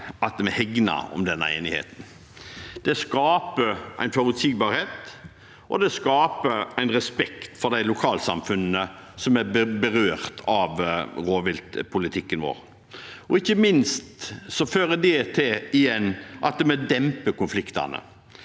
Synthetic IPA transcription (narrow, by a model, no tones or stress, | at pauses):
ɑt̪̚d̪ɛmɛhɛɡnɑ̰ɔ̰md̪ɛnːə̰eːnɪhḛːt̪n̩ | d̪̥ɛskɑːpəʔæ̰ɪnfɔʁʉt̪siɡbɑːɾheːt̪ | ʔɔ̰d̪ɛskɑːpəɾæɪnɾɛspɛkt̪fɔɾd̪æɪlʊkʰɑːlsɑ̰mfʉnn̩əsɔmæbəɾøːʁt̪ʰɑʋʁoːʋɪlt̪pʰʊlɪt̪ʰɪkːənʋo̰ːɾ | ɔɪçːəmɪnst̪sɔføːɾəd̪ɛt̪ʰɪlɪjɛnːʔɑt̪̚d̪ɛmɛd̪ɛmpəkʊnflɪkt̪ɑ̰nə̰